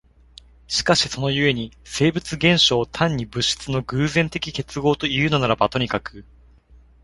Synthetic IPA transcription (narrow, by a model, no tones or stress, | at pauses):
ɕi̥kaɕiso̞no̞jɯ̟e̞ɲ̟ise̞ːbɯ̟t͡sɨɡẽ̞ɰ̃ɕo̞ːt̪ʰãɲ̟ːibɯ̟ɕːi̥t͡sɨno̞ɡɯ̟ːzẽ̞nt̪e̞kʲike̞t͡sɨɡo̞ːt̪o̞iɯ̟ːnonaɾabat̪o̞ɲ̟ikakɯ